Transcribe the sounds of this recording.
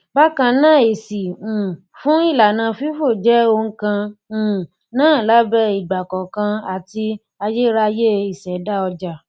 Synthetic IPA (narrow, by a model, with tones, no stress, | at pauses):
ba˦kã˧nãː˦˨e˨sĩ˨ | fũ˦i˦˨la˨nã˧fi˦fo˦˨d͡ʒɛ˨˦o˧ŋ̩˦kã˧˨ | nãː˦˨la˦bɛ˦˧i˨ɡ͡ba˨kɔ˨kã˧a˨ti˧ | a˧je˦ɾa˧je˦i˨sɛ˨˦da˦ɔ˧d͡ʒa˨